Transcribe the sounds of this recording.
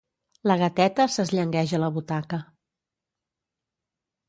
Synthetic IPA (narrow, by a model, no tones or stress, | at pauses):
ləɣət̪ɛt̪əsəzʎəŋɡɛʒələβut̪akə